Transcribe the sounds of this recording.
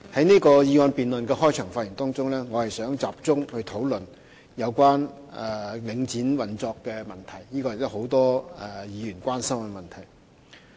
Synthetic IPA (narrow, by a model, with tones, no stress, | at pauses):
hɐ˨˥jniː˥kɔː˧jiː˧waː˧npiː˨nlɵ˨nkɛː˧hɔː˥jt͡ʃʰœː˨˩ŋfaː˧ji˨˩ŋt̪ɔː˥ŋt͡sʊ˥ŋlɛː˥ŋɔː˨˧hɐ˨˩jsœː˨˥ŋt͡saː˨p̚t͡sʊ˥ŋhɵ˧ɥt̪ʰo˨˥wlɵ˨n | jɐ˨˧wkʷaː˥nɛ˨˩lɪ˨˧ŋt͡siː˨˥nwɐ˨nt͡sɔː˧kːɛː˧mɐ˨nt̪ʰɐ˨˩jniː˥kɔː˧jɪ˨k̚t̪ɐ˥ho˨˥wt̪ɔː˥ɛ˨˧jiː˨˧jyː˨˩nkʷaː˥nsɐ˥mkɛ˧mɐ˨˩nt̪ʰɐ˨˩j